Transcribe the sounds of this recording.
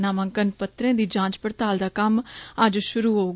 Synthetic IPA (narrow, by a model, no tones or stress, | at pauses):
naːmə̃ŋkənpət̪ɾẽːd̪iːd͡ʒãːt͡ʃpəɾt̪aːld̪aːkəməd͡ʒʃʊɾuːɦoː